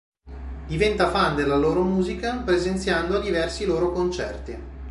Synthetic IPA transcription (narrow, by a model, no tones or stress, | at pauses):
d̪ivɛnt̪afand̪elːaloːɾomuːzikapɾezent̪sjand̪oad̪ivɛrsiloːɾokont͡ʃɛ̰rt̪i